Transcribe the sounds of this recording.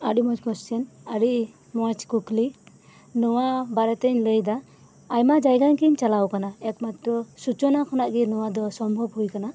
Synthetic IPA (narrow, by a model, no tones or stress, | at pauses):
aɖumɔt͡ʃkʰɔstɛn | aɾiʔ | mɔt͡ʃkukli | nɔwabaɾɛt̪ɛɲləjd̪aː | jmad͡ʒajɡankiɲt͡ʃalawkanaɛkmat̪ɾɔsut͡ʃɔnakʰɔnaʔɡinɔwad̪ɔsɔmbʱɔbɦujkana